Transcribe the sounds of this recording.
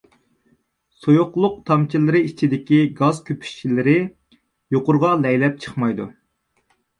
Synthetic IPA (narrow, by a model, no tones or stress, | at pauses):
sojʊqlˠʊq̚t̪ʰɑmt͡ʃʰilɨɾɨit͡ʃʰid̪ɪkʲiɡɑzkʲøpʰy̥ʃt͡ʃʰilɪɾɪ | joqʊɾʁɑlɛjlɛp̚t͡ʃʰə̥χmɑjd̪ṵ